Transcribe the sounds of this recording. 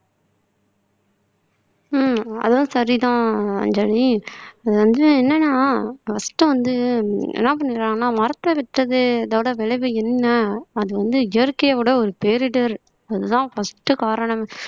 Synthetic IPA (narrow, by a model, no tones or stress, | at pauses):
mɐ̰ðʋɐnɯsɐɾit̪ãːɐ̰ɲd͡ʒɐɾiɐðɯʋɐnd̪ɯɛnːɐnːaːfɐsʈɯʋɐnd̪ɯɛ̰nːɐp̬ɐɳːɪɾãːŋɡɐnːaːmɐɾɐt̪ːɐʋɪʈɾɐðɯɐðɐːʋɪɽɐʋɛɭɐʋɯɪnːɐːðɯʋɐnd̪ɯɡɛɾkeːʋɯɽɐɔɾɯpeːɾɪɖɐɾ | ɐðɯt̪ãːfɐsʈːɯkaːɾɐɳɐm